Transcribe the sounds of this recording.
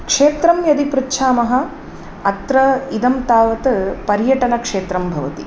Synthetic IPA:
kʂeːt̪ɾɐmjɐd̪ipɾutːʃʰaːmɐɦɐ | ɐt̪ɾɐid̪ɐmt̪aːʋɐt̪ɐpɐɾjɐʈɐnɐkʂeːt̪ɾɐmbʱɐʋɐt̪i

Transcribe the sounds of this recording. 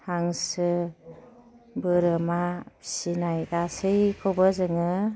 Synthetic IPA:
haŋsɯ | bɯɾɯmasinajɡasɯjkʰɔbɯzɯŋɯ

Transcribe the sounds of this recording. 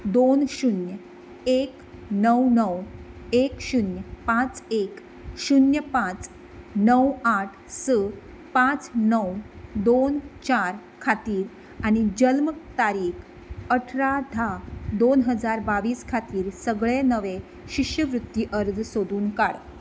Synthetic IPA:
d̪onɕunjə | ek | nəwnəwekɕunjəpãt͡sek | ɕunjəpãt͡s | nəwaʈʰsə | pãt͡snəwd̪ont͡ɕaɾ | kʰat̪iːɾ | añid͡ʑəlmt̪aɾiːkʰ | əʈʰɾad̪ʱad̪onɦəd͡zaɾbaʋiːskʰat̪iːɾsəɡɭenəʋe | ɕiɕjəʋɾut̪ːjiʔəɾd͡zsod̪uːnkaɽ

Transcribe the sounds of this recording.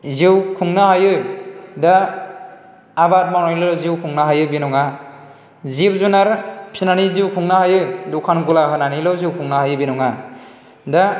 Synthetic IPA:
ziwkʰuŋnahajɯda | bat̚mawnajlɔziwkʰuŋnaɦajɯbinɔŋa | zip̚zunaɾpʰinaniziwkʰuŋnahajɯdukʰanɡulaɦɯnanilɔziwkʰuŋnahajɯbinɔŋa | da

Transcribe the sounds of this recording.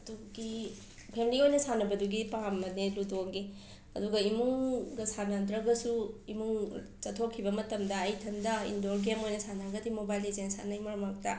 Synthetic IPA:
ɐduɡi | pʰemiliojnɐsanɐbɐduɡipaamːɐneludoɡi | ɐ̰duɡɐimuŋɡɐsanɐdɾɐɡɐsuimuŋ | t͡ʃɐtʰokʰːibɐmɐtɐmdɐːjtʰɐndɐḭndoɾɡemojnɐsanɐɾɐɡɐdimobajlezensa̰nɐjmoɾmak̚tɐ

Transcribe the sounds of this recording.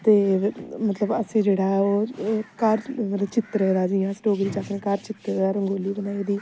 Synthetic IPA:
t̪eːmət̪ləbəsẽːd͡ʒeːɽaːɛoːkəɾmət̪ləbt͡ʃɪt̪ɾeːd̪aːd͡ʒiːãːsʈoːɡɾĩːt͡ʃaːknẽkəɾt͡ʃɪt̪ːaːɾəŋɡoːliːbənaːiːd̪iː

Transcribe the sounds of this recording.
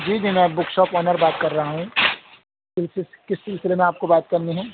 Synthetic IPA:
d͡ʒiːd͡ʒiːmɛ̃ːbʊkʃɔːpɔːnəɾbaːt̪kɐɾːɐɦaɦũ | sɪlsɪ | kɪsːɪlsɪlemẽaːp̚kobaːt̪̚kɐɾniɦɛ̃ː

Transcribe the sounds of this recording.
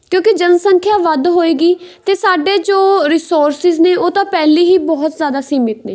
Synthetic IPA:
kjõːkɪd͡ʒənsəŋkʰjaːʋəd̪ɦoːeːɡiːt̪eːsaːɖeːd͡ʒoːɾɪsoːɾsɪzneːʔoːt̪ãːpɛːliːɦiːbɔːt̪zjaːd̪aːsiːmɪt̪neː

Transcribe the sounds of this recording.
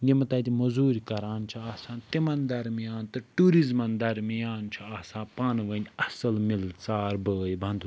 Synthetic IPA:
jimɐt̪ɐd̪ʲimɐzuːɾʲikɐɾaːnt͡ʃʰɐaːsãːnt̪imɐnd̪ɐɾmijaːnt̪ɨʈuːɾizmɐnd̪ɐɾmijaːnt͡ʃʰuaːsãːpaːnʋɐnʲɐsɐlmilt͡saːɾbəːjbʱɐ̃nd̪u

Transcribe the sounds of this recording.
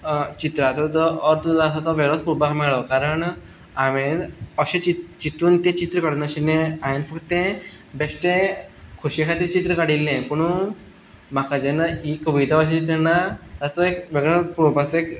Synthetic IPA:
t͡ɕit̪ɾat̪ɔt̪ɔəɾt̪d̪asat̪ɔʋeɭɔspubakmɛɭɔkaɾəɳ | amenəɕẽt͡ɕit͡ɕit̪uːnt̪ẽt͡ɕit̪ɾəkəɽunaɕinẽanifəkt̪ẽ | besʈẽkʰuɕekʰat̪it͡ɕit̪ɾəkaɽilːẽpəɳ̃u | m̤akad͡ʑenːaikːəʋit̪aʋaɕ̬it̪ɛnːat̪at̪ɔekʋeɡɭəpɾopasek

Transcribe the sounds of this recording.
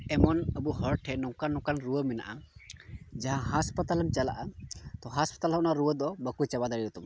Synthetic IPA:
ɛmɔnəbuɦɔɾʈʰɛnɔkanɔ̃kanɾuəmɛna̰ʔa | d͡ʒaɦãɦaspat̪aləmt͡ʃalaʔat̪ɔɦaspat̪alɦɔnaɾuwəd̪ɔbəkut͡ʃabad̪aɽiɔt̪ɔm

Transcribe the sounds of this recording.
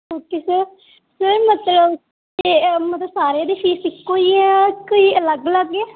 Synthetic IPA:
ɦoːkeːsəɾ | səmət̪ləb | emət̪ləbsaːɾeãːd̪eːpʰiːsɪkːoːiːɛ̃koiːələɡləɡɛː

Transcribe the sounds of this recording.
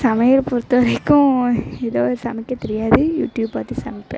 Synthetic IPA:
sɐmɐjɐlpʊɾɯt̪ːɐʋɐɾɐɪkːʊ̃ɛðoːɾɯsɐmɪkːɐt̪ɛɾɪjaːðɯjuːʈjuːbpaːt̪ːisɐmɪpːɛ̰̃

